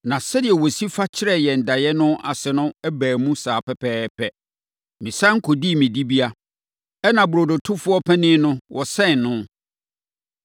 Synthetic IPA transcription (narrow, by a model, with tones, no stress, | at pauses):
nã˨sɛ˦dɪ˨ɛ˨wɔ˨si˦fa˦t͡ɕʰɪ˦ɾɛ˨jɛ˨n̩˨da˨jɛ˦nʊ̃˦ʔa˨sɛ˨nʊ̃˦ɛ˦bæː˨mũ˦saː˨pʰɛ˦pʰɛː˦pʰɛ˨ | mĩ˨sã˦ŋ̩˦kʰo˨di˦˨mĩ˨di˦bi˦a˦ | ɛ˦nã˨bu˨ɾo˨do˨tʰʊ˦fʊ˦ɔ˦pʰɛ˦nɪ̃˦nʊ̃˦wʔɔ˨sɛ̃˦˨n˨nʊ̃˦